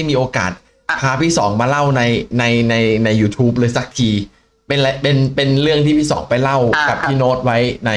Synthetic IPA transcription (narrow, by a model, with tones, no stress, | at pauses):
jmiː˧ʔoː˧ka̰ː˨˩t̪̚ | pʰaː˧pʰiː˥˩sɔː˩˦ŋmaː˧la˥˩wna˧jna˧jna˧jna˧jːuː˧t̪ʰuː˦˥p̬̚lɤː˧jsa˨˩k̚k̪ʰiː˧ | pe˧nla˧pe˧npe˧nlɯ˥˩əŋt̪ʰi˥˩pʰiː˥˩sɔ̰ː˩˦ŋpa˧jla˥˩wka˨˩p̚t̪ʰiː˥˩noː˦˥t̪̚wa˦˥jna˧